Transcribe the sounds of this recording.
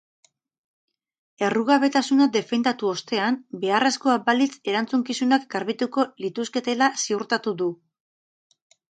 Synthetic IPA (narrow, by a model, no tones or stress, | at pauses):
e̞ruɣaβe̞t̪asunad̪e̞fe̞nd̪at̪uo̞st̪e̞anbe̞aresko̞abalit͡se̞ɾant͡suŋkisunakɡaɾβit̪uko̞lit̪uske̞t̪e̞lasiuɾt̪at̪uðu